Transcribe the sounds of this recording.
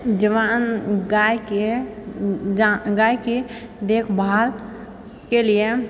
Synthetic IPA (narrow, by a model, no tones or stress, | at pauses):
d͡ʒəʋaːnɡajke | aɡaːjke | d̪eːkʰbʱaːl | kelije